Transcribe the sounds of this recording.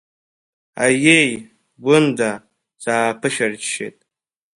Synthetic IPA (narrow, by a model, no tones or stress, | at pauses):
ajej | ɡʊnda | d͡zaːpʰɨʃᶣard͡ʒʃḛjtʼ